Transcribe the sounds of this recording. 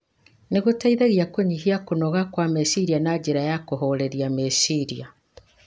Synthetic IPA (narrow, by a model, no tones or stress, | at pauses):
neɣotaiðeɣiakoɲihiakonɔɣakwamesiɾianad͡ʑeɾajakoɦɔɾeɾiamesiɾia